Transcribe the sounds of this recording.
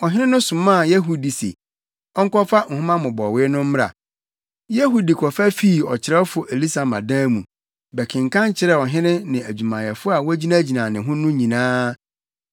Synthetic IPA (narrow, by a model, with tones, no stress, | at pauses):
ɔ˨ɦɪ̃˦nɪ̃˦nʊ̃˦sʊ̃˨mã˦˨je˦ɦu˦di˨sḛ˨ | ɔ˦ŋ̩˦kɔ˦fa˦˨ŋ̩˨hʊ̃˦mã˦mʊ̃˨bɔ˨wɪ˦nʊ̃˦m̩˦m˦ɾa̰˨ | je˦ɦu˦di˨kʰɔ˨fæ˦fiː˦˨ɔ˨t͡ɕʰɪ˨ɾɛ˦ɔ˦fʊ˨ʔe˨li˦sa˨mã̰˨dã˦mũ˨ | bɛ˨kʰɪ̃˨ŋ̩kʰã˦ɲ˦t͡ɕʰɪ˦ɾɛ˦ɔ˨ɦɪ̃˦nɪ̃˦nɪ̃˨æ˨d͡ʑᶣu˨mã˨jɛ˨fʊ˦a˨wɔ˦d͡ʑi˦nã˦d͡ʑi˨nã˨nɪ̃˨ɦʊ̃˦nʊ̃˦ɲĩ˨nãː˦